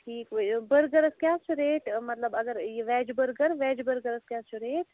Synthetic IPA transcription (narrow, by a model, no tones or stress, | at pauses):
ʈʰiːkʋbəɾɡəɾəskjãːst͡ʃʰuɾeːʈʰmɐt̪ləbɐɡəɾeʋɛːd͡ʒbəɾɡəɾʋɛːd͡ʒbəɾɡəɾəskjãːst͡ʃʰuɾeːʈ